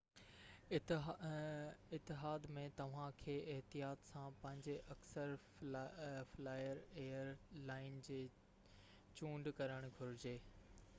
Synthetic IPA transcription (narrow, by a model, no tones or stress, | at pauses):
ɪt̪ːɪɦaːd̪mẽt̪ɐʋ̤ãkʰeːɪɦt̪ijaːt̪sãpɐ̃ɦɪ̃ɲd͡ʑeʔɐksəɾ | flaːjəɾeːəɾlaːɪnd͡ʑeː | t͡ɕũːɳɖkɐɾəɽ̃ɡʱʊɾɪd͡ʑeː